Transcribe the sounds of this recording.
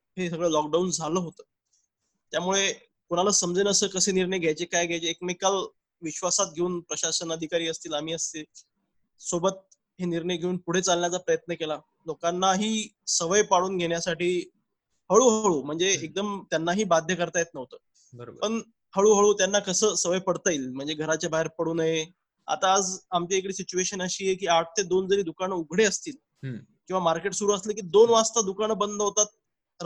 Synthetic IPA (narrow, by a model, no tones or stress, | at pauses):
ɦesəɡɭəːlɔk̚ɖaund͡zʱaləːɦot̪əː | t̪jamuɭe | kuɽ̃alasəmd͡zenəsəːkəseːniɾɳəjɡʱjajt͡ɕekajɡʱjajt͡ɕeːkmekal | ʋiɕʋasat̪̚ɡʱeuːnpɾəɕasənəd̪ʱikaɾiːəst̪iːlamiːəst̪e | sobət̪̚ | ɦeniɾɳəjɡʱeuːnpuɽ̤et͡salːjat͡sapɾəjət̪nəkela | lokanːaɦiː | səʋəjpaɽuːnɡʱeɽjasaʈiː | həɭuːɦəɭuːm̤əɳd͡zeːk̚d̪əmt̪janːaɦiːbad̪ʱjəkəɾt̪ajet̪nəʋt̪əː | bəbpəɳ | həɭuːɦəɭuːt̪janːakəsəːsəʋəjpəɽt̪aiːlm̤əɳd͡zeɡʱəɾat͡ɕjabʱaɦeɾpəɽuːnaɦe | a̰t̪aːd͡zamt͡ɕiekɽiːsit͡ɕueɕənəɕiːjekiːaʈ̚ʰt̪ed̪ond͡zəɾiːd̪ukanəuɡʱɽeəst̪iːl | kĩw̃ʋamaɾkeʈsuɾuːaslək̬iːd̪onʋast̪ad̪ukaɳ̃əbənd̪ʱəɦot̪at̪̚